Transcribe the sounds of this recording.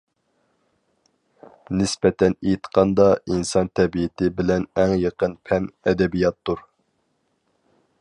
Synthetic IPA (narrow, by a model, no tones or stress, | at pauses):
nɪspɛt̪ʰɛnejt̪qʰɑnd̪ɑinsɑnt̪ʰɛbiɪt̪ʰɪbɪlɛnæŋjəqənpʰɛnɛd̪ɛbijɑt̪ːuɾ